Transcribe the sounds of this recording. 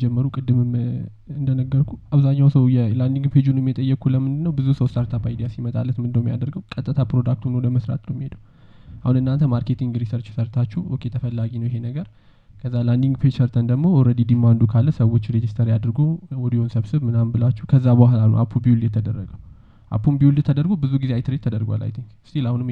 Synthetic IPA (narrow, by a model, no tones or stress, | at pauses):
d͡ʒɛmːəɾukʼɨd̪ːɨmɨm | ɨnd̪ənəɡːəɾkʰuaβzaɲːawsəwjɛland̪iŋɡpʰed͡ʒunmːjɛt̪ʼəjːɛkʰuləmːɨnd̪ɨnːəwbɨzusəwst̪ʰaɾt̪ʰapajd̪ijasimət̪ʼa̰lːət̪mɨnd̪əwmːija̰d̪əɾɡəwkʼət̪ʼːɨt̪ʰapɾod̪ak̚t̪ʰunəwɔdəməsɾa̰t̪nəwmːihed̪əw | ʔahunɨnːant̪ʰəmaɾke̞t̪ʰiŋɡɾisəɾt͡ʃːɪ̥səɾt̪ʰat͡ʃːɛwokʼet̪ʰəfəlːaɡinəwjɪɦe̞nəɡəɾ | kʰəzːaland̪iŋɡpʰed͡ʒsəɾt̪ʰənd̪əɡmo̞ɔɾəd̪id̪imːand̪ukʰalːəsəwot͡ʃːɾed͡ʒist̪ʰəɾjad̪ɨɾɡuwɔd̪ihonsəβsɨβmɨnambɨlat͡ʃːɛhkʰəzːabəhlanṵʔa̰pʰːubijuljɛt̪ʰəd̪ərːəɡə | ʔa̰pʰːunbiuljɛt̪ʰəd̪əɾɡobɨzuɡizeajt̪ɨɾet̪ʰːəd̪əɾɡʷa̰lʔa̰jt̪ʰiŋkst̪ʰilahunɨm